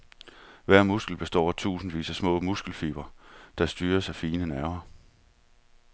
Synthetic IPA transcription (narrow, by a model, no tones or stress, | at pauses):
ʋæɐ̰musɡ̥l̩b̥e̝sd̥ɒ̰ːt͡sʰṵːsn̩ʋḭːsæsmɔ̰ːmusɡ̥l̩fiːb̥ɐd̥ɑ̈sd̥yːɐsɑfiːnənæɐmɐ